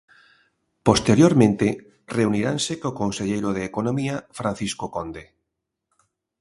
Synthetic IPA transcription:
post̪eɾjoɾmẽnt̪e | reuniɾansekokonseʎejɾoðeːkonomiafɾan̟θiskokond̪e

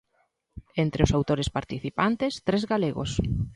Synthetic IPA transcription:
ent̪ɾeʊsawt̪oɾespaɾt̪iθipant̪est̪ɾezɣaleɣo̰s

